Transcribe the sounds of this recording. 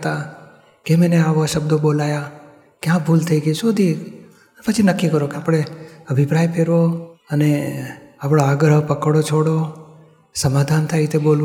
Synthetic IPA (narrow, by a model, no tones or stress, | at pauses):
t̪a | kemeneaʋoaʃəb̚d̪obolaja | kjãbʱult̪ʰəiɡəiʃod̪ʱi | pət͡ʃʰinəkːikəɾokeapɽ̃eəbʱipɾajpeɾʋoəneapɽ̃oaɡɾəpəkəɽot͡ʃʰoɽo | səmad̪ʱant̪ʰajt̪ʰebolʋ